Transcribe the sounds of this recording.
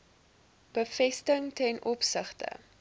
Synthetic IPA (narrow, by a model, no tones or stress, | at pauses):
b̥əfɛstəŋtɛnʔɔpsəχtə̰